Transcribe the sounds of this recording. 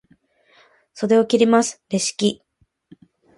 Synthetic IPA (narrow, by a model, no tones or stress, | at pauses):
so̞ɾe̞o̞kʲiɾʲimasɨ̥ɾe̞ɕi̥kʲi